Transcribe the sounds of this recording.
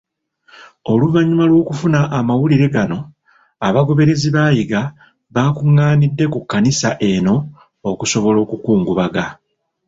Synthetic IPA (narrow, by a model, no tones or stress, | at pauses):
o̞luvaɲumalwo̞ːkufunaʔːmawuliɾe̞ɡano̞ | aβaɡo̞βe̞ɾe̞ziβaːjiɡa | βaːkuŋːaːnidːe̞kukːanisaʔe̞no̞ː | kuso̞βo̞lo̞ːkukuːŋɡuβaɡa